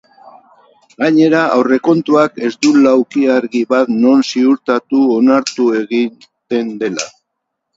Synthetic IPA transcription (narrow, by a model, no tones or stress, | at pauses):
ɡaɲe̞ɾaʔawre̞ko̞nt̪uake̞zd̪ulawkiaɾɣiβat̪no̞nsiuɾt̪at̪uo̞naɾt̪ue̞ɣi | t̪e̞nd̪e̞la̰